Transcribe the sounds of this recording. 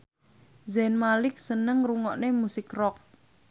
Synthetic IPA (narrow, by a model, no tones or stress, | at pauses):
zɛnmalɪk̚sənəŋruŋɔʔnemusɪkrɔk̚